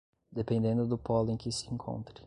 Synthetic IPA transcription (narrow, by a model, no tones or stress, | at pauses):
d̪epẽnd̪ẽnd̪ʊd̪ʊpɔlʊẽj̃kɪsɪẽkʰõ̰nt̪ɾɪ